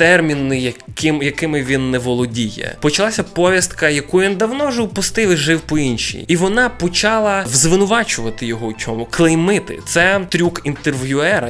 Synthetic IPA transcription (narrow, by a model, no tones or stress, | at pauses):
t̪ɛrmʲinɪjɐkɪmjɐkɪmɪʋʲinːɛʋɔlˠɔdʲijɛ̰pɔt͡ʃɐlˠɑsʲɐpɔʋʲjɐst̪kɐjɐkuʋind̪ɐwnɔʒɔʊpʊst̪ɪwɪʒɪwpɔinʃʲḭjiʋɔnɑpɔt͡ʃɑlˠɐwzʋɪnʊʋɑt͡ʃʊʋɐt̪ɪjɔɦɔwt͡sʲɔmʊklˠejmɪt̪ɪ̰t̪sɛt̪ɾʲukint̪erʋjʊɛɾɐ